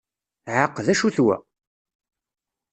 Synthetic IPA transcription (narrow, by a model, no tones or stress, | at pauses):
ʕəqːðæʃuθwæ̰